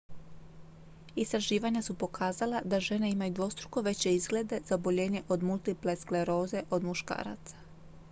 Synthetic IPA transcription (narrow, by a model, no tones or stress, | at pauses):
ist̪ɾaʒiːʋaɲasupo̞kʰaːzalad̪aʒe̞neimajud̪ʋo̞st̪ɾuko̞ʋe̞t͡ɕe̞izɡle̞d̪e̞z̥aobo̞ʎe̞ːɲe̞ʔo̞d̪mulˠt̪ipleskleɾo̞ːze̞ʔo̞d̪muʃka̰ːɾa̰t̪sḁ